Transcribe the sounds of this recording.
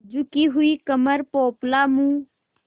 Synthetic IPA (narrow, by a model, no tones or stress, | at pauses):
d͡ʒʊkiɦʊikəməɾpoːplaːmũː